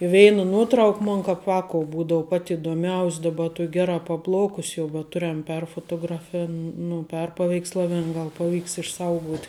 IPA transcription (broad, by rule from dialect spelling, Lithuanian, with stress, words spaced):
ɪ ˈʋʲɛɪnɐ ˈnuɔtrɐʊk ˈmoːn kɐp ˈʋɑːkoːʊ ˈbuːdoːʊ pɐt ɪdoːˈmʲɛʊsʲ dɐˈbɐ ˈtuɔkʲ ˈɡʲæːˌrɑː pɐˈplˠɐʊkʊs jɛʊ bʲɛt ˈtʊrʲɛm ˈpʲɛrfoːtoːɡrɐfʲɪn nʊ ˈpʲɛrpɐʋʲɛɪkslˠɐʋʲɪn ˈɡɐlˠ pɐˈʋʲiːks ɪʃˈsɐʊɡuɔtʲ